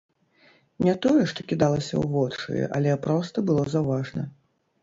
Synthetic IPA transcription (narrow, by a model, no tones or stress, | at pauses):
nʲɛt̪ɔjɛʂt̪ɔkʲid̪alˠɐsʲɐ̰wvɔt͡ʂɨ̰jɛ̰ʔɐ̰lʲɛpɾɔst̪ɐbɨlˠɔzawvaʐnɐ̰